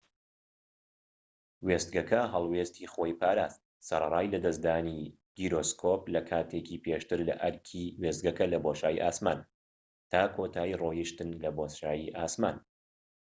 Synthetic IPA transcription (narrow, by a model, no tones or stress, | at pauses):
west̪̚ɡɐkʰɐɦɐlˠweːst̪ʰixojpʰaːɾaːst̪̚ | sɐɾɐrˤaːjlɐd̪ɐsd̪aːni | ɡ̥iɾoskʰoplɐkʰaːt̪ʰekiːpʰeʃt̪ɨɾlɐ̰ʔɐɾkʲʰiwest̪̚ɡɐkɐlɐboʃaːjḭʔaːsmaːn | t̪ʰaːkʰot̪ʰaːirojiʃt̪ɨnlɐbosʃaːjiʔaːsma̰ːn